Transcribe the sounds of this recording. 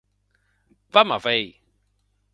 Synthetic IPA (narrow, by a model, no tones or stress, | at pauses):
vamavɛj